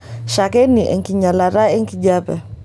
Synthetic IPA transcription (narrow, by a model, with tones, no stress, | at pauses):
ʃa˨kɛ˦ni˨ʔɛ̰˨ŋki˨ɲa˨la˨ɾa˦ɛ˦ŋki˨d͡ʒa˦pɛ̰˨